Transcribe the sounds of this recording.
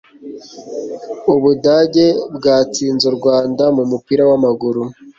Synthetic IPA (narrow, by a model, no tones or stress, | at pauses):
uβudaːɟe̞bɡaːt͡siːnzuɾɡwaːndamumupiɾawamaɡuɾu